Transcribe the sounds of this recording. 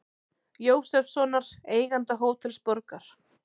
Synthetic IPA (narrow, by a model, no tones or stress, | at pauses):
joːwsɛfsɔnaɾ̥eːjɣant̪aɦoːwt̪ʰɪlspɔɾkaɾ̥